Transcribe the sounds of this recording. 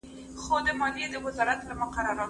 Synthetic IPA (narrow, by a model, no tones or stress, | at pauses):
xod̪əmɑljed̪əwɪzɑɾat̪lamʊqaɾɑɾɑ